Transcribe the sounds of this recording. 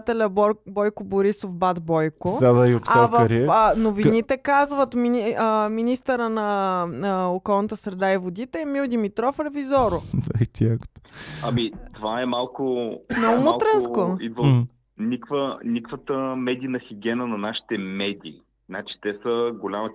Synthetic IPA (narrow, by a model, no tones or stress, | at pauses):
t̪ɛlʲəbɔjkʊboɾisofbad̪bɔjkoad̪ajoksavɾinovinit̪ɛkazvət̪miniminist̪əɾənɐ | okɔlˠnət̪əsɾɛd̪aivod̪it̪ɛːmiwˠd̪imit̪ɾɔfɾɛvizɔɾod̪at̪iakt̪ɐmit̪ovaɛmalˠkʊnomolˠt̪ɾɛnskoid̪və | nʲikvənʲikvət̪əmɛd̪ʲiːnɐxiɡʲɛnənɐnaʃi̥t̪ɛmɛd̪ʲiː | nat͡ʃi̥t̪ɛsəɡolʲamə